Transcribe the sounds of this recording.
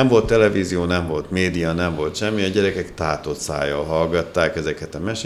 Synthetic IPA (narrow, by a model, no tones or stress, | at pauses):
ɛɱvo̞lt̪ːɛlɛviːzioːnɛɱvo̞lt̪meːd̪ijɒnɛɱvo̞lt̪ʃɛmːiɒɟɛɾɛkɛkt̪aːt̪osa̰ːjɒlɦɒlɡɒt̪ːaːkɛzɛkɛt̪ɒmɛʃ